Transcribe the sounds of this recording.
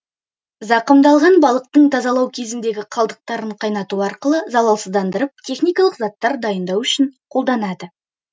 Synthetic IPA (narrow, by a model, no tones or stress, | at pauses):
zɑqəmd̪ɑlˠʁɑnbɑlˠəq̚t̪əɴt̪ʰɑzɑlˠɑwkʲʰe̞zɪnd̪e̞ɡʲɪqʰɑlˠd̪əq̚t̪ɑɾəɴqʰɑjnɑt̪uɑɾqəlˠəzɑlˠɑlˠsəzd̪ɑnd̪əɾəp̚t̪ʲʰe̞χnijkɑlˠəqzɑt̪ːɑɾd̪ɑjənd̪ɑwʏʃɪɴqʰo̞lˠd̪ɑnɑd̪ə